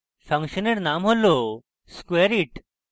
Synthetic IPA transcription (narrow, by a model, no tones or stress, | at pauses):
fʰɐ̃ŋkʃəneɾnamɦolo | skweɾiʈ